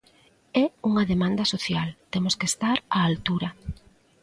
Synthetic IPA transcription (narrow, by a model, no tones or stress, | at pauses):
ɛuŋɐðemãnd̪ɐsoθjalt̪emoskest̪aɾaːlt̪uɾɐ